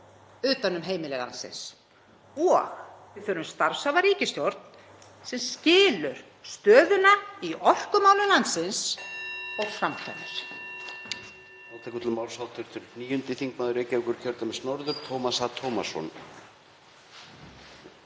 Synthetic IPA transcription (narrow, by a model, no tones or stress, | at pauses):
ʏːt̪anʏmɦeːjmɪlɛɣla̰nsɪ̰ns | ɔɣvɪθœːɾʏmst̪aɾ̥savaɾiːcɪst̪jɔɾt̪n̥ | sɛmscɪːlʏɾ̥ | st̪œːðʏnaiʔɔl̥kʏmaːwlʏmlansɪns | ɔɣfɾamkʰa̰nːa̰ɾ̥ | naːwt̪ʰɛkʏt̪lɪmaːwlsawt̪ʰʏɾ̥t̪ʰʏɾniːjʏnt̪ɪθiŋknaːðʏɾeːjcɛʏkʏɾcʰœɾt̪amɪsnɔɾðʏɾ̥t̪ʰowmasat̪ʰowmasɔ̰n